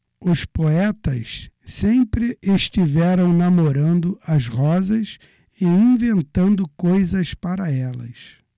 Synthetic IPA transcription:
ʊspoɛt̪ɐssẽmpɾɪʔeʃt͡ʃivɛɾɐ̃w̃namoɾɐ̃nd̪ʊʔɐzʁɔzɐs | ɪĩvẽnt̪ɐ̃nd̪ʊkojzɐspaɾɐɛlɐ̰s

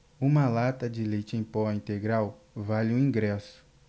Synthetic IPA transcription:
ũmɐlat̪ɐd͡ʒɪlejt͡ʃɪẽj̃pɔĩnt̪eɡɾaw | valɪʊĩɡɾɛsʊ̥

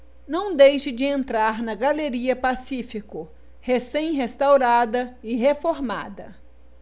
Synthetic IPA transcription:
nɐ̃w̃d̪ejʃɪd͡ʒɪẽnt̪ɾaɾnɐɡaleɾiɐpasifikʊ | hesẽj̃ɦest̪awɾad̪ɐɪɦefoɾma̰d̪ɐ̰

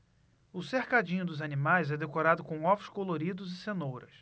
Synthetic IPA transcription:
ʊsehkad͡ʒĩɲʊd̪ʊzanimajzɛd̪ekoɾad̪ʊkõw̃ɔvʊskoloɾid̪ʊzɪsenowɾɐ̰s

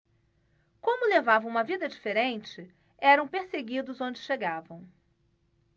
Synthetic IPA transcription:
kõmʊlevavɐ̃w̃ũmɐvid̪ɐd͡ʒifeɾẽnt͡ʃɪ | ɛɾɐ̃w̃peɾseɡid̪ʊzõd͡ʒɪʃeɡavɐ̃w̃

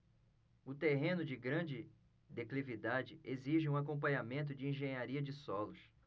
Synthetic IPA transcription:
ʊt̪eɦẽnʊd͡ʒɪɡɾɐ̃d͡ʒɪ | d̪eklivid̪ad͡ʒɪʔeziʒɪũakõp̬ɐ̃ɲamẽnt̪̬ʊd͡ʒɪĩʒẽɲaɾiɐd͡ʒɪsɔlʊs

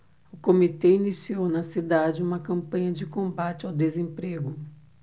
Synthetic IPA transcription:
ʊkomit̪einisiownɐsid̪ad͡ʒɪũmɐkɐ̃mpɐ̃ɲɐd͡ʒɪkõmbat͡ʃɪawd̪ezẽpɾeɡʊ

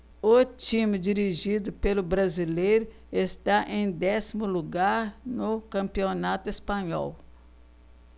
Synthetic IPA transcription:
ot͡ʃimɪd͡ʒiɾiʒid̪ʊpelʊbɾazilejɾʊ | est̪aʔẽj̃d̪ɛsimʊluɡaɾnʊkɐ̃mpionat̪ʊespɐ̃ɲɔ̰w

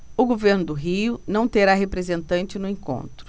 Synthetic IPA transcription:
ʊɡoveɾnʊd̪ʊɦiʊnɐ̃w̃t̪eɾaɦepɾezẽnt̪ɐ̃nt͡ʃɪnʊẽŋkõ̰nt̪ɾʊ

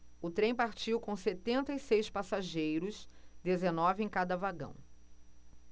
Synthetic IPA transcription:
ʊt̪ɾẽj̃paɾt͡ʃiwkõw̃set̪ẽnt̪ɐisejspasaʒejɾʊsd̪ezenɔvɪẽj̃kad̪ɐvaɡɐ̰̃w̃

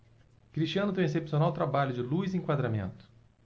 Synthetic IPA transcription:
kɾist͡ʃiɐ̃nʊt̪ẽj̃esepsiõnawt̪ɾabaʎʊd͡ʒɪluziẽŋkwad̪ɾamḛ̃nt̪ʊ̥

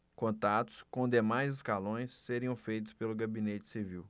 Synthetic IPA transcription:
kõnt̪at̪ʊ̥skõd̪emajzɪskalõj̃sːeɾiɐ̃w̃fejt̪ʊ̥spelʊɡabĩnet͡ʃɪ̥siviw

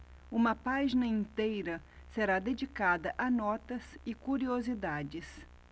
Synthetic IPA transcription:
ũmɐpaʒinɐĩnt̪ejɾɐ | seɾad̪ed͡ʒikad̪ɐʔɐnɔt̪ɐsɪkuɾiozid̪ad͡ʒɪs

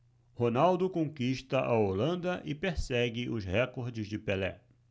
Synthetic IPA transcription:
honawd̪ʊkõkiʃt̪ɐʔaolɐ̃nd̪ɐʔɪpeɾsɛɡɪʔʊzhɛkoɾd͡ʒɪzd͡ʒɪpelɛ̰

